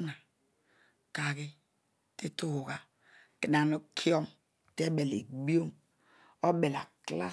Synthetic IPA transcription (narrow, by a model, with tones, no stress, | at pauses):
na˨ | ka˨ɡi˦ | ti˦tu˦hu˨ɡa˨ | ki˨na˨nu˦kʰi˦o˦m | te˦be˨lḛ˨ɡ͡bi˦o˦m | o˦be˨la˨kla̰˦